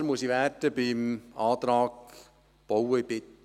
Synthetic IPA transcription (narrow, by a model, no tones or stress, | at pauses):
ɾmuəsiʋɛrtəbɪmɑːt̪ɾɑːk | b̥owəibɪt̪